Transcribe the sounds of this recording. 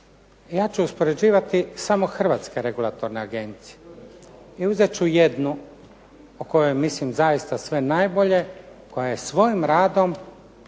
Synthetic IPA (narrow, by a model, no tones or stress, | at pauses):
jaːt͡ɕuːspo̞ɾe̞d͡ʑiːʋat̪isamo̞xr̩ʋaːt̪ske̞ɾe̞ɡulˠat̪o̞ɾneaɡe̞nt̪sije | iuzet͡ɕujed̪nu | oko̞jo̞jmislimzajist̪asʋe̞najbo̞ʎe̞ko̞jajesʋo̞jimɾaːd̪o̞m